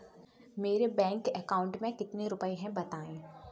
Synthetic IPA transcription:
meːɾebɛ̃ːŋkɛkaːʊ̃ɳʈmẽkɪt̪neɾʊpəeɦɛ̃bɐt̪aːẽː

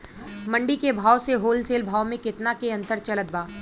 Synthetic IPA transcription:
mɐ̃ɳɖikebʱaːwseɦoːlseːlbʱaːwmẽkɪt̪nakeɐ̃nt̪əɾt͡ʃɐlət̪̚baː

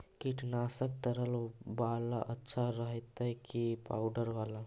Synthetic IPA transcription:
kiʈnaːsək̚t̪əɾəlbaːlaʔɐtːʃʰaɾəɦet̪ɦɛkipaːʊɖəɾʋaːla

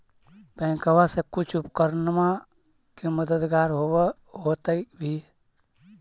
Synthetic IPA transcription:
pə̃ɪ̃kəwasekʊt͡ʃʰupkəɾnma | keməd̪əd̪ɡaːɾɦow | ɦot̪əbʱi

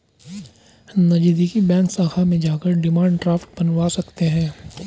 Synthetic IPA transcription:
nɐd͡ʒiːd̪ikibɛ̃ːŋksaːkʰamẽd͡ʒaːkəɾɖɪmãːɳɖʈɾaːfʈ̚bɐnwasɐkt̪eɦɛ̃ː

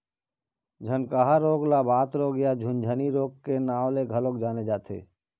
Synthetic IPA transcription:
d͡ʒʱənkaɦaɾoːɡlabaːt̪ɾoːɡjad͡ʒʱʊnd͡ʒʱəniɾoːkːenaːwleɡʱəlok̚d͡ʒaːned͡ʒaːt̪ʰḛː

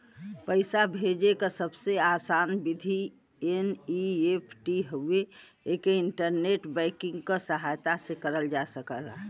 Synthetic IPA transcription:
pəɪsabʱed͡ʒekasəbseasanbid̪ʱi | eniepʰʈiɦəe | ekeɪɳʈəɾneʈbɛɪkɪ̃ŋɡkasəɦajt̪asekəɾəld͡ʒasəkəlːə̰ɦɛ

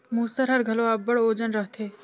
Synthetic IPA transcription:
muːsəɾɦɐɾɡʱəloabːəɽoːd͡ʒənɾəɦt̪ʰe

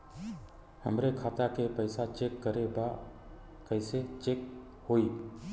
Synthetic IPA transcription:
həmɾɛkʰat̪akepəjsat͡ʃekːəɾɛbaʔ | kəjset͡ʃek̚ | hoji

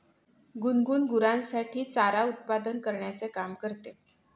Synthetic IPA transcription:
ɡunɡuːnɡuɾãnsaʈʰiːt͡saɾaut̪̚pad̪ənkəɾɳjat͡sekamkəɾt̪e

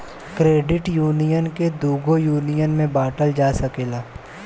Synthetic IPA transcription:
kɾeːɖɪʈjuːnijənked̪uːɡojuːnijənmẽbaːʈəld͡ʒaːsɐkeːlaː

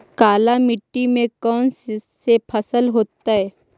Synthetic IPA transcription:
kaːlamɪʈːimẽkɔːnssepʰɐsəlɦoːt̪aɦɛː

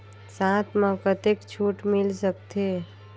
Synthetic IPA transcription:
sãt̪ʰmə̃kət̪ekt͡ʃʰuʈmɪlsək̚t̪ʰe

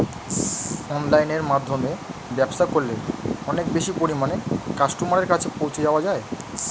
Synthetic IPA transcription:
ɔnlajneɾmad̪ʱːomebɛbʃakoɾleɔnek̚beʃipoɾimanekaʃʈumaɾeɾkat͡ɕʰepowt͡ɕʰed͡ʑaoad͡ʑae

